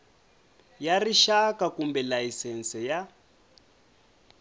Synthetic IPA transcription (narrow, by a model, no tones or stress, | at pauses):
jariʃakakumbɛlajisɛnsɛja